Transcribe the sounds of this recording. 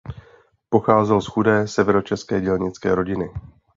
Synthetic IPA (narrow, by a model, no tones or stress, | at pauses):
po̞xaːzɛlsxudɛːsɛvɛɾo̞t͡ʃɛskɛːɟɛlɲɪt͡skɛːɾo̞ɟɪnɪ